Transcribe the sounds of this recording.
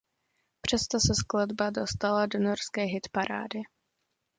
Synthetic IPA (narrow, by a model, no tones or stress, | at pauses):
pr̝̥ɛst̪osɛskladbadost̪aladonorskɛːɦɪt̪paɾʔa̰ːdɪ